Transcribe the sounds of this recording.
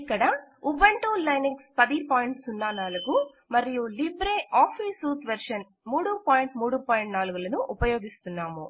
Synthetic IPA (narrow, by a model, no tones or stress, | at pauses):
kːɐɽɐubɐɳʈuːlɐjnɐkspɐd̪ipoːjiɳʈsunːaːnaːluɡu | mɐɾijulibɾeːʔaːpʰiːsuːt̪ʋeɾʂɐn | muːɽupaːjiɳʈmuːɽupaːjɳʈnaːluɡulɐnuʔupɐjoːɡist̪unːaːmu